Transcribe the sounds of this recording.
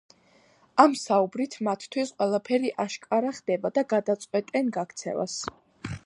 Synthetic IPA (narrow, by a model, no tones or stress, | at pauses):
amsaubɾit̪ʰmat̪ʰt̪ʰwisqʼwɛlˠapʰɛɾiʔaʃkʼaɾaχd̪̥ɛbad̪aɡad̪at̪sʼqʼwɛt̪ʼɛnɡakt̪sʰɛ̰va̰s